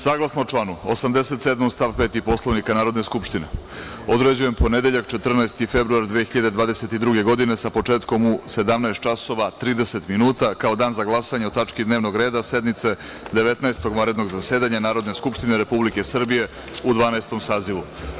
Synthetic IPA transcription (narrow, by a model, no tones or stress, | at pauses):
saːɡlˠasnot͡ʂlˠaːnuosamd̪e̞set̪sed̪momst̪aʋpeːt̪ipo̞slˠoʋnikanaːɾo̞d̪neskupʂt̪ine̞ | o̞d̪ɾed͡ʑujempo̞ne̞d̪e̞ʎakt͡ʃet̪r̩naest̪ife̞bɾuaɾd̪ʋexiʎad̪ed̪ʋaːd̪ese̞t̪id̪ɾuɡe̞ɡo̞d̪inesapo̞t͡ʂe̞ːt̪komuse̞d̪amnaest̪̚t͡ʃaso̞ʋat̪ɾiːd̪ese̞t̪minuːt̪akao̞d̪aːnzaɡlˠasaɲeot̪at͡ʃkid̪neʋno̞ɡɾe̞ːd̪ase̞d̪mit̪se̞ | d̪e̞ʋe̞t̪naest̪o̞ɡmaɾed̪no̞ɡzase̞ːd̪aɲanaːɾo̞d̪ne̞skupʃt̪ineɾe̞publike̞sr̩bije̞ | ud̪ʋaːnaest̪o̞msaːziʋu